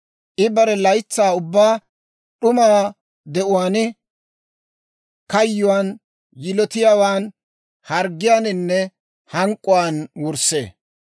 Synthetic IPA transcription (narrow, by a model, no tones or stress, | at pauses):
ʔɪbɐɾɛlɐjt͡sːaːʊbːaː | ɗʊmaː | d̪ɛʔʊwaːnɪ | kɐjːʊwaːn | jɪlɔt̪ɪjaːwaːn | hɐɾɡːɪjaːnɪnːɛ | hɐŋkʼːʊwaːnwʊɾsḛː